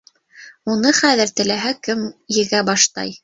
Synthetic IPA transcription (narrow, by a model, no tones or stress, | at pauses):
unɤχæðɘɾt̪ɘ̆læɦækɘmjɘ̆ɡæbɑʃt̪ɑ̰j